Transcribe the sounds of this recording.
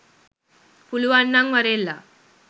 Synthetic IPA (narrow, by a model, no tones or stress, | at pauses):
puluʋanːãŋʋaɾelːa